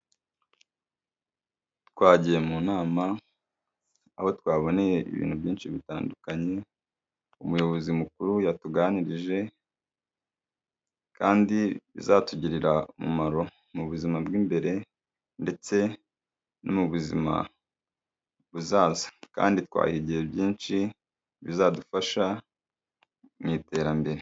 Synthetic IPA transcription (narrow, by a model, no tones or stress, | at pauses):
twaːɟijemunaːma | aho̞twaːβo̞ne̞je̞ʔḭβḭːnhubɟiːnʃiβita̰ːndukaɲe̞ | umujo̞βo̞zimukuɾujatuɡaːniɾiʒe̞ | kaːndiβḭzatuɟiɾiɾaumṵmaɾo̞ | muβuzimabɡiːmbe̞ɾe̞ | nde̞t͡se̞ | no̰muβuzḭma̰ | βuzaːzḁka̰ːnditwa̰ːhiɟije̞bjiːnʃi | βizadufaʃa | miːte̞ɾambe̞ɾe